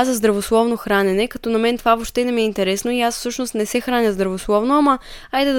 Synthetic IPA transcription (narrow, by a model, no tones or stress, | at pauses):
azɐzd̪ɾɐvoslˠɔvnoxɾanɛnɛkɐt̪ɔnɐmɛnt̪ovavoʃt̪ɛd̪ɐmiɛint̪ɛɾɛsnoiasfsɤʃnost̪nɛsɛxɾanʲəzd̪ɾɐvoslˠɔvnoɐmɐajd̪ɛd̪